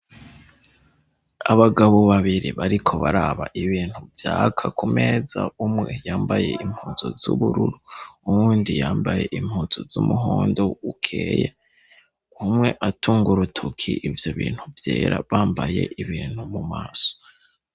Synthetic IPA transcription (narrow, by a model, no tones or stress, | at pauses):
aβaɡaβoβaβiɾiβaɾikʰo̞βaɾaβaʔiβiːn̥huvjaːkʰakʰume̞ːzaumŋe̞jaːmbaje̞im̥huːzo̰zuβuɾuɾuumuːndijaːmbaje̞ʔim̥huːz̥ozumuɦoːndo̞ukʰeːje | umŋe̞ʔatʰuːŋɡuɾutʰokʰiʔivjo̞βḭːn̥huvjeːɾaβaːmbaje̞̰ʔiβiːn̥humumaːso̥